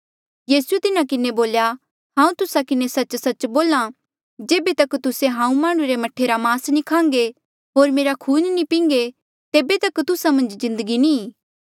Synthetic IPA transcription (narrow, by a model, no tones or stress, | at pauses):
jiːsuet̪ɪnakɪneboːlja | ɦãːũt̪ʊsakɪnesɐt͡ʃsɐt͡ʃboːlã | d͡ʒeːbet̪ɐkt̪ʊseɦãːũmaːɽ̃ũɾemɐʈʰːeɾamaːsnikʰãːŋ̆ɡe | ɦoːɾmeːɾakʰuːnnipĩːŋɡe | t̪eːbet̪ɐkt̪ʊsamɐ̃nd͡ʒzɪ̃nd̪əɡinĩː